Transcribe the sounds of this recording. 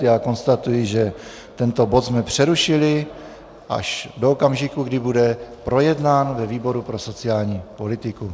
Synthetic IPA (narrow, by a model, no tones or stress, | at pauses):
jaːko̞nst̪at̪ujɪʒɛ | t̪ɛnt̪o̞bo̞t̪zmɛpr̝̥ɛɾuʃɪlɪ | ʔa̰ʃdoːkamʒɪkuɡdɪbudɛpɾo̞jɛdnaːnvɛviːbo̞ɾupɾo̞so̞t͡sɪaːlɲiːpo̞lɪt̪ɪku